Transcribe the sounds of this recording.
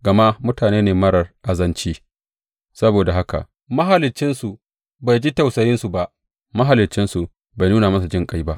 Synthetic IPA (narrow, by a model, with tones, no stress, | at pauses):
ɡɐ˨ma˦mʊ˦taː˨neː˦neː˨mɐ˦ɽɐ˨rʔa˨zɐ˦nt͡ʃiː˦ | sɐ˦boː˨da˨ɦa˦ka̰˨ʔ | mɐ˦ɦa˨lɪ˨t͡ʃːɪ˦nsu˨ | ba˨jd͡ʒi˦ta˨wsɐ˨jɪ˦nsu˨ba˦ʔ | mɐ˦ɦa˨lɪ˨t͡ʃːɪ˦nsu˨ | ba˨jnuː˦na˨mɐ˦s̬a˨d͡ʒɪ˦ŋkʼa˦jba˦ʔ